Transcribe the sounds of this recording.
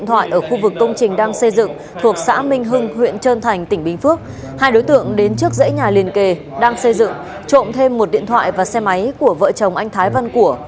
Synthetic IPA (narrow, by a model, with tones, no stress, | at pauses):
nt̪ʰwa̰ː˧˨jʔəː˧˩xu˧vɨ˨˩kːə˧wŋ͡mt͡ɕï˨˩ŋ̟ɗaː˧ŋsə˧jzɨ̰˧˨ŋ | t̪ʰu˨˩ək̚sa̰ː˧˥mï˧ŋ̟ɦɨ˧ŋhwḭ˧˨ənt͡ɕəː˧nt̪ʰa˨˩jŋ̟t̪ï˧˩ŋ̟ɓï˨˧˩ŋ̟fɨ˦˥ək̚ | haː˧jɗo˨˦jt̪ɨ̰˧˨əŋɗe˨˦nt͡ɕɨ˦˥ək̚zə̰˧˥jɲaː˨˩li˨˩ənke˨˩ | ɗaː˧ŋsə˧jzɨ̰˧˨ŋ | t͡ɕo̰˧˨nt̪ʰe˧mːo˨˩t̚ɗḭ˧˨ənt̪ʰwa̰ː˧˨jvaː˨˩sɛ˧ma˨˦jku˧˩əvə̰ː˧˨t͡ɕə˨˩wŋ͡mʔa˧jŋ̟t̪ʰaː˨˦jvə˧nku˧˩ə